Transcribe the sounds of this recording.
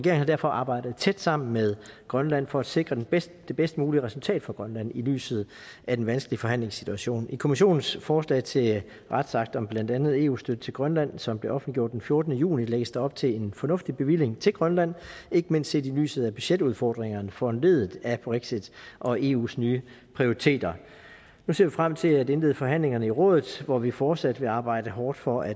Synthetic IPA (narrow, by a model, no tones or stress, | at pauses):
ʁɛɡe̝ːɐŋnhɑdæɐ̰fɒ̽ʔɑ̈ːb̥ɑ̈ɪ̰d̥ð̞̩ˠt͡sʰed̥sɑ̈m̰n̩með̞ˠɡ̥ʁɶnlæn̰fɒ̽æd̥se̝ɡ̥ʁɐde̥es | d̥e̝b̥esd̥əmuːliəʁɛsult͡sʰɛ̰ːd̥fɒɡ̥ʁɶnlæn̰ily̰ːsð̞̩ˠ | æd̥enʋænsɡ̥əliəfɒ̽ɦæn̰leŋsːit͡sʰuæɕo̝̰ːnikʰo̝miɕ̬o̝̰ːnn̩sfɒːslɛ̰ɪt͡sʰe̝ | ʁad̥sɑ̈ɡ̥̚d̥ɒ̽mb̥læn̰d̥ænð̩ˠe̝̰ːṵːsd̥ød̥ət͡sʰe̝lɡ̥ʁɶnlæn̰sɒ̽mb̥le̝ʔɒ̽fn̩liɡ̥jo̰d̥enfjo̝ɐd̥ənəjṵːnileɡ̥əsd̥ɑɒ̽b̥t͡sʰe̝le̝nfɒ̽nɔ̽fd̥ib̥e̝ʋil̰e̝ŋt͡sʰe̝lɡ̥ʁɶnlæn̰e̝ɡ̥əmen̰sd̥se̝̰ːd̥ily̰ːsð̞̩ˠæb̥yɕed̥uðˠfɒ̰ːd̥ʁeŋɐnəfɒ̽nle̝ðˠð̩ˠæb̥ʁeɡ̥sid̥ʔɒ̽ʔe̝̰ːṵːsnyː | pʰʁio̝ʁit͡sʰe̝̰ːd̥ɐ | nuse̝ɐ̰ʋifʁam̰t͡sʰe̝læd̥e̝nle̝ðˠəfɒ̽ɦæn̰le̝ŋɐnəiʁɔ̽ːðˠð̩ˠʋɒʋifɒːd̥sæd̥ʋe̝ɑ̈ːb̥ɑ̈ɪ̰d̥əɦɒːd̥fɒ̽ʔæ̥